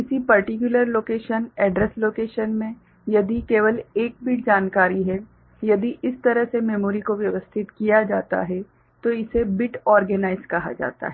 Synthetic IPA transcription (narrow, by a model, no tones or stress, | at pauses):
ɪsipɐɾʈɪkjʊləɾloːkeːʃənɛːɖɾɛsloːkeːʃənmẽ | jɐd̪ikeːʋəleːk̚bɪʈ̚d͡ʒaːnkaːɾiɦɛ | jɐd̪iʔɪst̪ɐɾəɦsemɛmoːɾikoʋjɐʋəst̪ʰɪt̪kijad͡ʒaːt̪a̰ɦɛ | t̪oɪsebɪʈɔːɾɡənaːɪzkɐɦa̰d͡ʒa̰ːt̪a̰ɦɛː